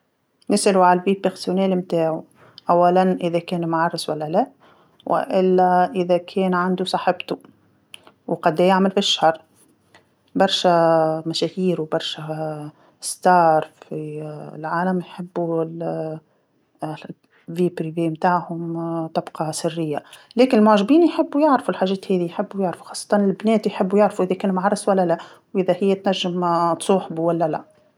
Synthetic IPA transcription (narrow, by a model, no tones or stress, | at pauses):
nɪsʔaluʕalælviːbəɾsʊnæːlmt̪aːʕu | ʔæwːælænʔɪðækɛːnumʕɑrˤːɪswælːælæʔ | wʔɪ̰ʔɪlːæʔɪðækʰɛːnʕand̪usˤɑħɪbt̪u | wqɑd̪ɛjaʕməlfiʃːahɑɾˤ | bɑɾˤʃæmæʃæhiːɾwbɑɾˤʃæ | st̪ɑːɾˤfilʕaːlæmjħɪbːul | viːpɾiveːmt̪aːʕhʊmt̪ˤɑbqɑsɪrːɪjːalɛːkɪnɪlmʊʕʒbiːnjħɪbːujɪʕɾfulħaːʒɛːt̪hɛːðijħɪbːujaʕɾfu̥xɑːsˤːɑ̥t̪ˤɑnɪlbnɛːt̪jħɪbːujɪʕɾfuʔɪðækɛːnmʕɑɾˤːɑswælːælæ | wʔɪðæhɪjːæt̪næʒːɪmt̪sˤuːħbuwælːælæ